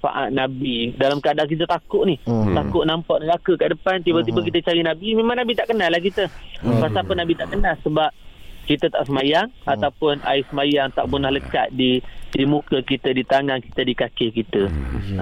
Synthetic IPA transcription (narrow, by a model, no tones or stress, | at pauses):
pa̰ʔa̰ʔ̪̚nabidalamkadaʔk̬it̪̬ət̪akʊʔniht̪akʊʔnampaʔ̚nəɡakəkaʔdəpant̪ibət̪̬ibək̬it̪ət͡ʃaɾinabimemãŋnabit̪aʔkənalahkit̪əpasapənabit̪aʔkənalsəbap̚kit̪ət̪a̰ʔsəmajaŋat̪awpʊna̰ɪsəmajaŋt̪a̰ʔpənahləka̰t̪̚didimukəkit̪ədit̪aŋaŋki̥t̪ədikakɪhkit̪ə